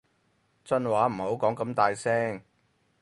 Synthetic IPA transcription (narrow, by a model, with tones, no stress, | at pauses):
t͡sɐ˥nwaː˨˥m̩˨˩ho˨˥wkɔː˨˥ŋkɐ˧mt̪aː˨˧jsɛː˥ŋ